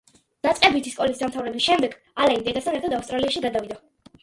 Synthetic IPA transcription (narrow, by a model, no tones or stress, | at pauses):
n̥at̪sʼqʼɛbit̪ʰiskʼɔlisd̪amt̪ʰavɾɛbisʃɛmd̪ɛɡ | alaind̪ɛd̪asʰanɛɾt̪ʰad̪afst̪ʼɾaliaʃiɡad̪avid̪a